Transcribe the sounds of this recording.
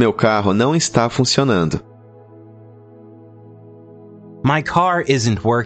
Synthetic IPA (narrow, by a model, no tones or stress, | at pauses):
mewkaɦʊnɐ̃w̃ɪst̪afũsionɐ̃nd̪ʊ | maɪkʰɑɹɪzɨ̃ntʰwɜ˞